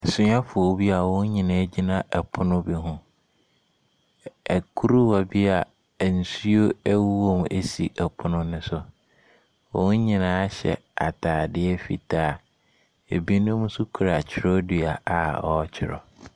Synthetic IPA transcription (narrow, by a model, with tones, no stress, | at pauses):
sʊ˦ɲã˦fʊ˨ɔ˨˦bi˦a˨wɔ̃˦n˦ɲĩ˨nã˨˦d͡ʑi˦nã˨ʔɛ˨pʰʊ˦nʊ̃˦bi˨ɦʊ̃˦ | æ˨kʰu˦ɾu˦wa˨bi˦a˨ | n̩˨si˦o˦æ˦wu˦wo˦˨m˨e˨sḭ˨ʔɛ˨pʰʊ˦nʊ̃˦nʊ̃˦sʊ˨ | wɔ̰̃˦ɲĩ˨nãː˨˦a˦ɕɛ̰˨a̰˨tʰaː˨dɪ˦ɛ˦fḭ˨tʰaː˦˨ | e˨bi˦nʊ̃˦mũ˦su˦kʰu˨ɾa˨t͡ɕʰɪ˨ɾɔ˦dɥa˨ʔa˨ɔ˦t͡ɕʰɪ˨ɾɔ̰˨